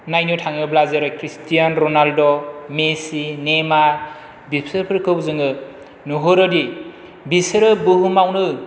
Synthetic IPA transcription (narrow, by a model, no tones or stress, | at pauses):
najnutʰaŋɯblazeɾɯkʰɾistijanɾɔnaldɔmesinemaɾ | bipʰsɯɾpʰɯɾkʰɯwzɯŋɯ | nuɦɯɾɯdi | bisɯɾɯbɯɦumawnɯ